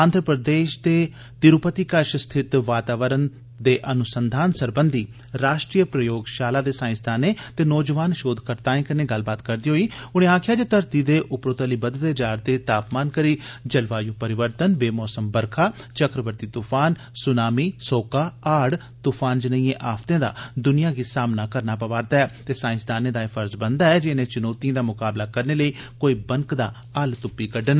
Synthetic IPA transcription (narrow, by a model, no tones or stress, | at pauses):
ãːnd̪ɾəpɾəd̪eːʃt̪eː | t̪ɪɾʊpət̪iːkəɾʃst̪ʰɪt̪ʋaːt̪aːʋəɾən | d̪eːʔənʊsənd̪ʱaːnsəɾbənd̪ʱiː | ɾaːʃʈɾiːəpɾəjoːɡʃaːlaːd̪eːsãːɪ̃sd̪aːnẽːt̪eːnɔːd͡ʒəʋaːnʃoːd̪ʱkəɾt̪aːẽːkənẽːɡəlbaːt̪kəɾd̪iːɦoːiːʊñẽːaːkʰɪjaːd͡ʒeːt̪əɾt̪iːd̪eːʔʊpɾoːt̪əliːbəd̪t̪eːd͡ʒaːɾd̪eːt̪aːpmaːnkəɾiːd͡ʒəlʋaːjũːpəɾɪʋəɾt̪ənbeːmɔːsəmbəɾkʰaːt͡ʃəkɾəʋəɾt̪iːt̪uːpʰaːn | sʊnaːmiːsoːkaːaːɽ | t̪uːpʰaːnd͡ʒənəiẽːʔaːft̪ẽːd̪a̰ːd̪ʊnɪjãːɡiːsaːmnaːkəɾnaːpəʋaːɾt̪aːɛːt̪eːsãːɪ̃nsd̪aːnẽːd̪aːefʰəɾzbənd̪aːɛːd͡ʒɪnẽːt͡ʃʊnoːt̪ijãːd̪aːmʊkaːblaːkəɾneːləiːkoːiːbəŋkd̪aː | əlt̪ʊpːiːkəɖən